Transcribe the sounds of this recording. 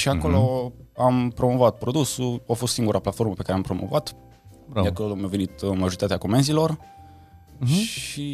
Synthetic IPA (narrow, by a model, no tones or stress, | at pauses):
ʃiako̞lo̞ampɾo̞mo̞vat̪̚pɾo̞d̪usuafost̪siŋɡuɾʔaplat̪fo̞rməpekaɾeampɾo̞mo̞̰vat̪ | bɾaakolomave̞nit̪maʒo̞ɾit̪at̪eakomenzilo̞r | i